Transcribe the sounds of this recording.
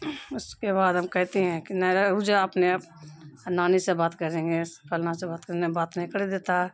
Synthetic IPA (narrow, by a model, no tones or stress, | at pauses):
ʊskebaːd̪ɦɐmkɛɦt̪eɦɛ̃kinɛɾɾud͡ʒaɐpnep | naːnisebaːt̪kəɾẽːŋɡepʰəlnasebaːt̪kəɾnebaːt̪nɪkɽed̪eːt̪aɦɛ